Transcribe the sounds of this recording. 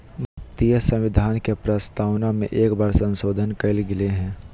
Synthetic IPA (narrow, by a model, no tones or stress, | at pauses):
mət̪ijəsə̃mʋɪd̪ʱaːnkepɾəst̪aːwnamḛ̃ʔeːkbaːɾsə̃nsoːd̪ʱənkɐɪlɡɪleɦɛ̃ː